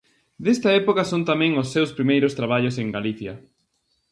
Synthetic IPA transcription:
d̪est̪ɐɛpokɐsont̪amɛ̃ŋʊsːewspɾimejɾʊst̪ɾaβ̞aʎoseŋɡaliθjɐ

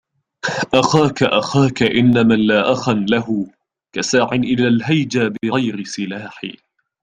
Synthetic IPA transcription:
ʔaxaːkaʔaxaːkaʔɪnːamanlaːʔaxanlaɦʊ | kasaːʕɪnʔɪlaːlɦajd͡ʒabɪɣajɾɪsɪlaːħḭ

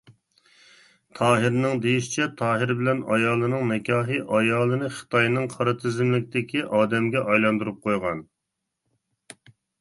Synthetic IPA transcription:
t̪ʰɑːɦɪɾnɪŋd̪ejiʃɪ̥t͡ʃʰɛt̪ʰɑːɦɪɾbɪlɛnɑjɑːlˠɨnɨŋmɛkʲʰɑːɦɨʔɑjɑːlˠɨnɨχə̥t̪ɑjnɨŋqʰɑɾɨt̪ʰɪzɪmlɪk̚ʲt̪ɪkʲʰiʔɑːd̪ɛmɡʲɛʔɑjlˠɑnd̪uɾup̚qʰojʁɑn

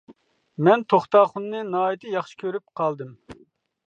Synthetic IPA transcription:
mɛnt̪ʰoχt̪ɑːχʊnːɨnɑːit̪ʰɨjɑχʃi̥kʲʰøɾyp̚qʰɑlˠd̪ɨm

